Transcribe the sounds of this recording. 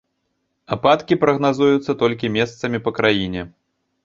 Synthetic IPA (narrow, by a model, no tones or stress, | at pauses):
apat̪kʲipɾɐɣnazujut̪sːɐt̪ɔlʲkʲimʲɛst̪sɐmʲipɐkɾajinʲɛ